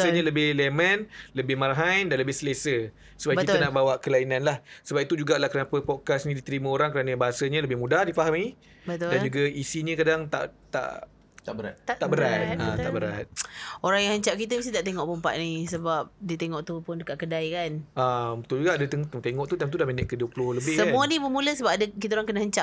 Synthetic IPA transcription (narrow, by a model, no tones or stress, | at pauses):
ssəɲələbɪhlemənləbɪhmaɾaɦajdanləbɪhsəlesə | səbabəkit̪ənaʔbawaʔkəlainanlahsəbap̚it̪ud͡ʒuɡaʔlahkənapəpɔt̚kasnĩdit̪əɾimə̃oɾaŋkəɾanəbaɦasəɲələbɪhmudahdifaɦamni | bət̪ʊdald͡ʒuɡəisiɲəkadaŋt̪a̰ʔt̪a̰ʔ̪ | aʔbəɾat̪̚t̪aʔbəɾat̪̚ãt̪aʔbəɾat̪̚oɾaŋjaŋhɦəɲt͡ʃap̚kit̪əmist̪it̪aʔt̪eŋɔʔpəmpa̰ʔ̪nisəbap̚diət̪eŋɔʔt̪upʊndəkaʔkədajkanʔabət̪ʊld͡ʒuɡaadət̪ət̪t̪eŋɔʔt̪ud̪amt̪udamenɛʔkəduəpulʊhləbɪhəmũənibəmuləsəbap̚adəkit̪aoɾaŋkənahəɲt͡ʃaʔ̚